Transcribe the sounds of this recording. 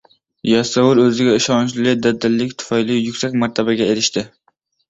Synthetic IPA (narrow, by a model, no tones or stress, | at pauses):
jɑsawʊlɵzɪɡʲɛɪʃɑnt͡ʃlɪlɪd̪ad̪ːɪlːɪkʲt̪ʰʊ̥fɑjlijʊkʲsakʲmaɾt̪ʰabaɡʲɛeɾɪʃt̪ʰɪ